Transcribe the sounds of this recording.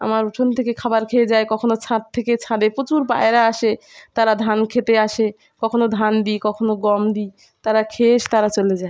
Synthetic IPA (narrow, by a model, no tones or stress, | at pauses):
a̰maɾuʈʰont̪ʰekekʰabaɾkʰeed͡ʑaekɔkʰonot͡ɕʰãt̪̚t̪ʰːeket͡ɕʰãd̪epot͡ɕuɾba̰eɾaaʃe | t̪aɾad̪ʱankʰet̪eaʃe | kɔkʰonod̪ʱand̪ikɔkʰonoɡɔmd̪i | t̪aɾakʰeʃt̪aɾat͡ɕoled͡ʑae